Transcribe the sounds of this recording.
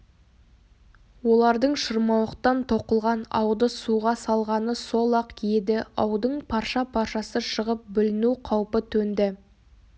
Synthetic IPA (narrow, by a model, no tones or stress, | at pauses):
wo̞lˠɑɾd̪əɴʃəɾmɑwəqt̪ɑnt̪ʰo̞qəlˠʁɑnɑ̰wd̪əsuʁɑsɑlˠʁɑnəso̞lˠɑqjed̪ɪɑwd̪əɴpʰɑɾʃɑpʰɑɾʃɑsəʃəʁəp̚bʏlɪnuqʰɑwpət̪ʰɵnd̪ɪ